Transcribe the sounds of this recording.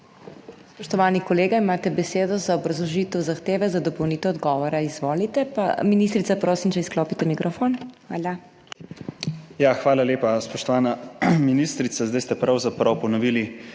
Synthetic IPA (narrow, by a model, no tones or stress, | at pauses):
spɔʃt̪ɔʋaːnikɔleːɡaimaːt̪ɛbɛseːd̪ɔzaɔbɾɐzlɔʒiːt̪ɛwzaxt̪eːʋɛzad̪ɔpɔwniːt̪ɛwɔd̪ɡɔːʋɔɾaizʋoːlit̪ɛpa̰minist̪ɾit̪sapɾoːsimt͡ʃɛsklɔːpit̪ɛmikɾɔfonxʋaːla | jaxʋaːlaleːpaspɔʃt̪ɔʋaːnaminist̪ɾit̪sazd̪ajst̪ɛpɾawzapɾawpɔnɔʋili